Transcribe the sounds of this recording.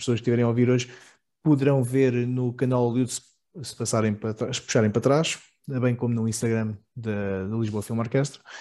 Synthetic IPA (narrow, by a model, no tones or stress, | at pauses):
psoɐʃk̚t̪ivɛɾẽj̃oviɾoʒ | puðɨɾɐ̃w̃veɾnukɐnalˠlˠjut̪s | sɨ̥pɐsaɾɐ̃j̃pɾɐt̪ɾaʃpuʃaɾɐ̃j̃pɾɐt̪ɾaʃ | βɐ̃j̃komunuĩʃt̪ɐɣɾɐmd̪ɐd̪ulˠiʒβoɐfilˠmɔɾkɛʃt̪ɾu